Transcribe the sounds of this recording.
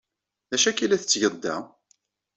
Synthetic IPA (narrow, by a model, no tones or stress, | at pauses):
ðæʃækːilæθət͡sːʝəðd̪ːæ̰